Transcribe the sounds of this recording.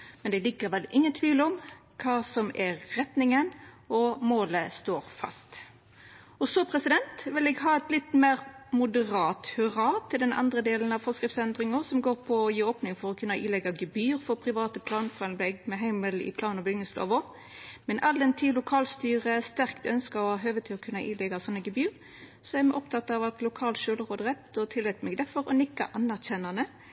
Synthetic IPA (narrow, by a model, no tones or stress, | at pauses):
mɛnd̪ɛlɪkːəʁʋɛlʔɪŋːənt̪ʰʋiːlɔm | kʰɑːsɔmɛʁɛt̪nɪŋən | ɔmoːləst̪oːʁfɑ̰st̪ | ɔsɔpʰʁɛsɪd̪ɛnt̪ʋɪlɛɡɦɑːɛt̪lɪt̪meːʁmʊd̪əʁɑːt̪hʉʁɑːt̪ʰɪld̪ɛnʔɑ̰nd̪ʁəd̪eːlən̩ɑʋfɔskɾɪft̪sɛnd̪ʁɪŋəʁsɔmɡoːʁpʰɔjiːoːpnɪŋfɔʁɔkʰʉnːɑʔɪ̰ːlɛɡɑɡəbyːʁfɔʁpʰʁɪʋɑːt̪əpʰlɑːnfɔʁɑnbɛɡmɛɦæɪməlɪ̰pʰlɑːnɔbʏɡnəslo̰ːʋɔ | mɛnʔɑld̪ɛnt̪ʰiːlʊkʰɑːlst̪yːʁəæst̪æʁkt̪œ̰nskɑɔhɑːɦøːʋət̪ʰɪlɔkʰʉnɑʔiːlɛɡɑsɔnːəɡəbyːɾ | sɔæmɛʔɔpt̪ʰɑt̪ːɑʋɑt̪lʊkʰɑːlt̪ʃøːləʁoːd̪əʁɛt̪ɔt̪ʰɪlːɛt̪mɛɡd̪ɛfɔʁɔ̰nɪkːɑ̰ʔɑnæʁçɛnːɑnə